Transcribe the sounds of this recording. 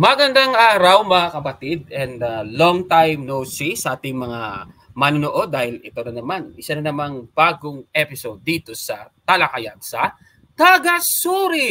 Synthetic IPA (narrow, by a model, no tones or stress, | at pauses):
mɐɡɐnd̪aŋʔaːɾɐwmɐŋakɐpɐt̪id̪̚ɛnd̪ɐloŋt̪ajmnowsisɐʔaːt̪ɪŋmɐŋa | mɐnonoʔo̞d̪ːaːhɪlɪt̪o̞nɐnɐmanʔɪsɐnɐnɐmaŋb̥aːɡoŋʔɛpɪsod̪ːiːt̪o̞sɐt̪ɐlɐkɐjadsɐ | t̪aɡɐsuːɾi